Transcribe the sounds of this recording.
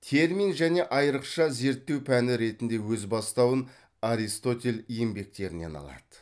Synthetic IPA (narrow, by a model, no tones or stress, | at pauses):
t̪ʰe̞ɾminʒæne̞ʔɑjəɾəqʃɑze̞ɾt̪ːe̞wpʰænɪɾe̞t̪ɪnd̪e̞wɵzbɑst̪ɑwən | aɾist̪o̞t̪ʲe̞lʲijembe̞k̚t̪e̞ɾɪne̞̰nɑ̰lˠɑ̰d̪̥ə̥